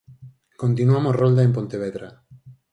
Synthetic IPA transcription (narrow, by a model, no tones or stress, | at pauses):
kont̪inuamosrold̪aemp̬ont̪eβ̞eðɾa